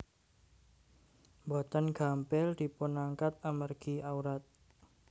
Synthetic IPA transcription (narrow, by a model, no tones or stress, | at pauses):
mbɔt̪ənɡ̥ampɛldi̤punaŋkat̪̚amərɡ̥iawɾat̪̚